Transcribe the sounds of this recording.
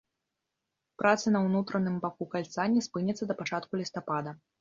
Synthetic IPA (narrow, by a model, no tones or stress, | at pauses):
pɾʔat̪sɐnɐwnut̪ɾɐnɨmbakukalʲt̪sanʲːispɨnʲɛt̪sːɐd̪ɐpat͡ʂat̪kulʲist̪apad̪ɐ